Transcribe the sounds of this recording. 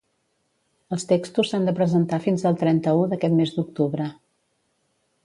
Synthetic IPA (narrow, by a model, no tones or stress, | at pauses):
əlˠst̪ekst̪usːand̪əpɾəzənt̪afinzəlˠt̪ɾɛnt̪əuðəkɛt̪mezd̪uk̚t̪uβɾə